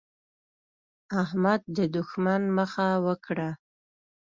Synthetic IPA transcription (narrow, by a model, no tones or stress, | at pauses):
ahmad̪̚ːəd̪ʊxmanməxawəkɽa